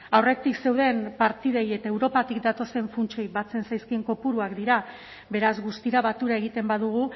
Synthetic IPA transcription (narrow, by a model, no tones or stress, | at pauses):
awre̞t̪ikse̞wðe̞mpaɾt̪iðeje̞t̪aewɾo̞pat̪ikd̪at̪o̞se̞ɱfunt͡ʃojbat͡se̞nsajskie̞ŋko̞puɾuakd̪iɾa | be̞ɾazɣust̪iɾaβat̪uɾae̞ɣ̞it̪e̞mbaðuɣ̞u